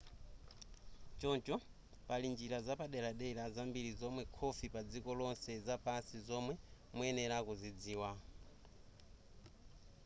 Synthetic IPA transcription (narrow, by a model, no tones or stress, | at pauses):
t͡ʃɔnt͡ʃɔ | palind͡ʒiɾazapaɗɛɾaɗɛɾazambiɾizɔmwɛkʰɔfipad͡zikɔlɔnsɛzapansizɔmwɛ | muɛnɛɾakuzid͡ziːwa